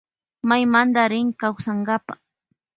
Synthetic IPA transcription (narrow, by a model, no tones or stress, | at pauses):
majmand̪aɾɪŋkawsaŋɡapa